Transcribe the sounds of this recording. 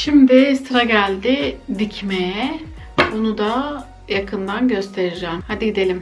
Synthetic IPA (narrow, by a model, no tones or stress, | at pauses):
ʃimd̪ɪst̪ɾaɟælʲd̪ɪd̪icʰmejɛ | bonud̪a | jakʰɯnd̪anɟø̞st̪ʰe̞ɾid͡ʒɛːmhad̪iɟid̪e̞lʲim